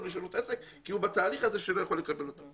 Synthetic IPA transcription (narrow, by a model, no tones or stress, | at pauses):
liʃalut̪ʔesek | kːiubat̪aːliχazeʃelojaχo̞lːekabe̞lot̪o